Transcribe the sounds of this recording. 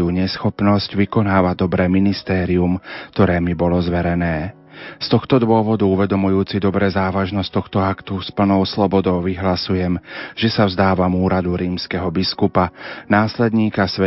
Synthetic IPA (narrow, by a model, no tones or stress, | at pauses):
juːɲɛsxɔpnɔsɟʋikɔnaːʋad̪ɔbɾɛːminist̪ɛːɾiumkt̪ɔɾɛːmibɔlɔzʋɛɾɛnɛː | st̪ɔxt̪ɔd̪ʋʊɔʋɔd̪uuʋɛd̪ɔmujuːt͡sid̪ɔbɾɛːzaːʋaʒnɔsct̪ɔxt̪ɔakt̪uspl̩nɔʊslɔbɔd̪ɔʊʋiɦlasujɛmʒ̥ɛsavzd̪aːʋamuːɾad̪uɾiːmskɛɦɔbiskupanaːslɛd̪ɲiːkasʋɛ